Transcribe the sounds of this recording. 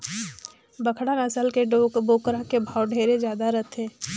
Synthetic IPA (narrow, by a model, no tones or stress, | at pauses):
bəkʰɽanəsəlkeɖoːkboːkɾakebʱaːwɖʱeːɾed͡ʒjaːd̪aɾət̪ʰɛ̃ː